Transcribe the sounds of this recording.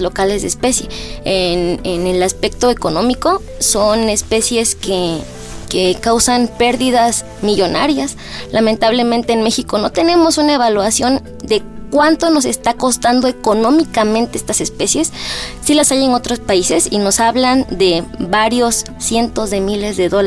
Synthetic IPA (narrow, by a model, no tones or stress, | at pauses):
lo̞kale̞zðeːspe̞sje̞enenelaspe̞k̚t̪o̞eko̞nõ̞miko̞ | so̞ne̞spe̞sje̞ske | kekawsanpe̞ɾðiðas | miʝo̞na̰ɾjas | lʔament̪aβle̞mẽnt̪e̞ːnme̞xiko̞no̞t̪e̞ne̞mo̞sunae̞βalwasjo̞n | d̪e̞kwant̪o̞no̞s̬e̞st̪ako̞st̪and̪o̞ekonõ̞mikamẽnt̪eest̪ase̞spe̞sje̞sːilasaje̞no̞t̪ɾo̞spaise̞sino̞saβland̪e̞βaɾjo̞sːje̞nt̪o̞zðe̞mile̞zðeðol